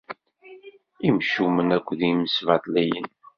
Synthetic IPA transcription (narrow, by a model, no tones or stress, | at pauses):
imʃumənækʷːðiməsvɑt̪ˤlæjə̰n